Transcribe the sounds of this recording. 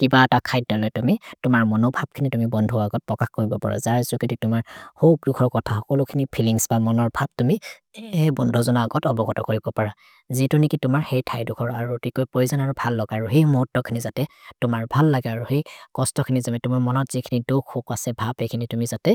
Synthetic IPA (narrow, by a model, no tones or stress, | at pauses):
kibaɛtakʰajt̚dɔlɔjtumitʊmaɹmɔnobʱab̚kʰinitumibɔndʱɔaɡɔt̚pɹɔkaxkoɹibɔpa̰ɹa̰zaɹsʊkititʊmaɹhok̚dukʰɔɹkɔtʰaɔkɔlʊkʰinipʰiliŋsbamɔnɔɹbʱab̚tumi | bɔndʱɔzɔnaːɡɔtɔbɔɡɔtɔkoɹibɔpaɹa | zitʊnikitʊmaɹhejtʰajdukʰɔɹaɹuotikojpojzanaɹubʱalːɔɡaːɹuɦejmoɦutːɔkʰinizatɛtʊmaɹbʱalːaɡɛaɹuhejkɔstɔkʰinizamɛtumaɹmɔnɔtz̥ikʰinidukʰːokasɛbʱabejkʰinitumizatɛ